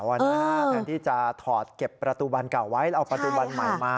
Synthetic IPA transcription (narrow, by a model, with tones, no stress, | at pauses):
wʔaː˧˩˦aː˧nt̪ʰiː˥˩t͡ɕa˨˩ʔt̪ʰɔː˨˩t̪̚ke˨˩pːɾa˧t̪uː˧ba˧nka˨˩wːa˦˥jʔa˧wpɾa˧t̪uː˧ba˧nma̰˨˩˦jmaː˧